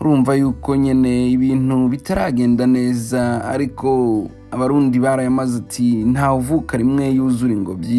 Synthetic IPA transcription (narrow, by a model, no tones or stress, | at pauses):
ɾuːɱvajuːko̞ɲene̞iβiːnuβitaɾaɡe̞ːndane̞ːza̰ːɾikʰo̞ | aβaɾuːndiβaɾajamazatʰin̥haːuvukaɾimŋe̞juːzuɾiŋɡo̞bi